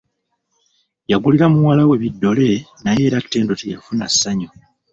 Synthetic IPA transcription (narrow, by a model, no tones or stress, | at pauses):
jaɡuliɾamuwalawe̞βidːo̞le̞naje̞ːɾatːe̞ːndo̞tejafunasːaɲo